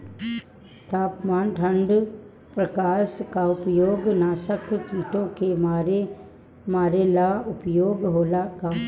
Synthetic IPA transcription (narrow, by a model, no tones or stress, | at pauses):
t̪aːpmaːnʈʰə̃ɳɖ | pɾəkaːskaʊpjoːɡnaːʃəkt̪iːʈõkemɾe | maːɾelaːʊpjoːɡɦoːlaka